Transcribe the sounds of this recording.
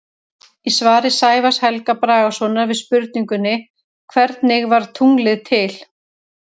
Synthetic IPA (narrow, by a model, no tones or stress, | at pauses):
isvaːɾɪsaːjvashɛlkapɾaːɣasɔnaɾvɪðspʏɾt̪̚niŋkʏnːɪ | kʰvɛɾt̪nɪɣvaɾ̥t̪ʰuŋlɪðt̪ʰɪl̥